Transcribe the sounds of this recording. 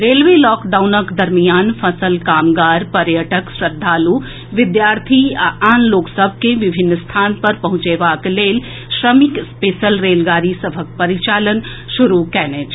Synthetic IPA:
ɾelʋelɔːkd̪awnəkd̪əɾmijaːnpʰəsəlkaːmɡaːɾpəɾjəʈəksɾəd̪ʱːaːlu | ʋɪd̪jaːɾt̪ʰiaaːnloksəbʱkeʋibʱinːst̪ʰaːnpəɾpəɦũt͡ʃebaklel | sɾəmikspesəlɾelɡaːɾisəbʱək̚pəɾit͡ʃaːlən | ʃuɾukɛnɛt͡ʃʰ

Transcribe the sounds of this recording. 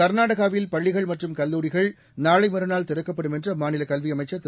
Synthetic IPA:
ɐɾnaːɽɐɣaːʋɪlpɐɭːɪɣɐɭmɐʈrɯmkɐlːuːɾɪɣɐɭ | naːɭɐɪmɐɾɯnaːlt̪ɪɾɯkːɐpːɐɽɯmɛndrɐmaːnɪlɐkɐlʋiɐmɐɪt͡ʃːɐt̪

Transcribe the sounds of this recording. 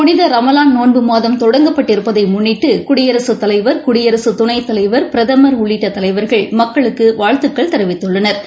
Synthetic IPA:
pʊnɪðɐɾɐmɐlaːnnoːnbɯmaːðɐmt̪ɔɽɐŋɡɐpːɐʈːɪɾɯpːɐðɐɪmʊɳːɪʈːɯkʊɽɪjɐɾɐsɯt̪ɐlɐɪʋɐɾkʊɽɪjɐɾɐsɯt̪ʊnɐɪt̪ːɐlɐɪʋɐɾpɪɾɐðɐmɐɾʊɭːɪʈːɐt̪ːɐlɐɪʋɐɾɣɐɭmɐkːɐɭɯkːɯʋaːɻt̪ɯkːɐɭt̪ɐɾɐʋɪt̪ːɯɭːɐnɐɾ

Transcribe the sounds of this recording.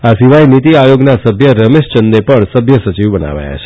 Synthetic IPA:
asiʋajnit̪iajoɡnasəbʱjəɾəmeʃt͡ʃənd̪epəɳsəbʱjəsət͡ʃiʋbəna̰ʋa̰ja̰t͡ʃʰe̥

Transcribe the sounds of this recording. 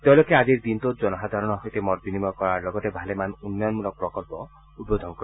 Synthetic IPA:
t̪ewlokeadiɾd̪int̪od͡ʒɔnɔɦad̪ʱaɾɔɽ̃ɔɦojt̪emɔɾbinimɔkɔɾaɾlɔɡɔt̪ebʱalemanunːɔjɔnmulɔk̚pɾɔkɔlpɔ | udod̪ʱɔnɔkɔɾ

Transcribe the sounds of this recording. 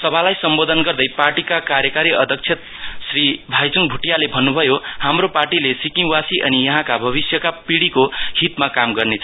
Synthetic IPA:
sʌbʱalajsʌmbod̪ʱʌnɡʌrd̪ʌjparʈikakaɾjʌkaɾiʔʌd̪ʱʌk̚t͡sʰjet̪ | sribʱajt͡suŋbʱuʈjalebʱʌnːubʱʌjohamroparʈilesikiŋwasiʔʌnijʌɦãkabʱʌβisjʌkapiɽikohit̪makamɡʌrnet͡sʰʌ

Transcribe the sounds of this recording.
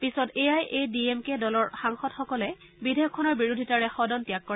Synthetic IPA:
pisɔtejajʔediemkedɔlɔɹxaŋxɔtxɔkɔlɛ | bidʱejɔkʰːɔnɔɹbiɹudʱitaɹɛxɔdɔntijakːɔɹɛ

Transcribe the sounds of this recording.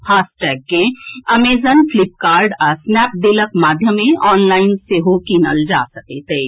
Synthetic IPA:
fʰaːsʈɛːk̚ɡẽɐmeːzənflɪp̚kaːɾɖasnɛːp̚d̪eləkmaːd̪ʱjəmẽʔɔːnlaːɪnseɦokiːnə̰ld͡ʒa̰ːsɐket̪eː

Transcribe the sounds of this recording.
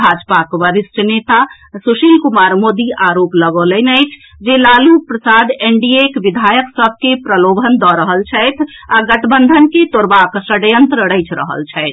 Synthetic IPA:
bʱad͡ʒpakʋəɾisʈʰənet̪a | suʃilkumaɾmod̪iʔaɾopləɡələnəjt͡ʃʰ | d͡ʒelalupɾəsad̪eɳɖiekʋid̪ʱajəksəb̚ʱkepɾəlobʱənd̪ɔɾəɦəlt͡ʃʰɛjt̪ʰaɡəʈbənd̪ʱənket̪oɾbaksəɽjənt̪ɾəɾəɪt͡ʃʰɾə̰ɦə̰lt͡ʃʰɛɪt̪ʰ

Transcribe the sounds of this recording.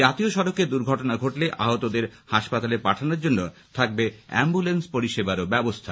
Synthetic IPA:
at̪ioʃɔɾoked̪uɾɡʱɔʈonaɡʱoʈleʔaɦot̪od̪eɾhaʃpat̪alepaʈʰanoɾd͡ʑonːo | t̪ʰak̚beɛ̰mbulenspoɾiʃebaɾobɛbost̪ʰa

